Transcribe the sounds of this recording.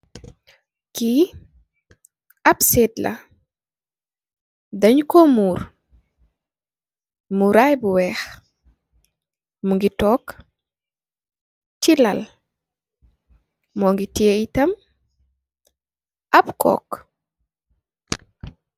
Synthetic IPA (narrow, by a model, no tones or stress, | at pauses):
ki | ɐbseːdlʔɐ̰ | dɐɲkɔmuːɾ | muɾajbuwɛx | muŋɡitɔːk | t͡ʃilɐl | mɔŋɡitieitɐm | ʔɐbkɔ̰ːk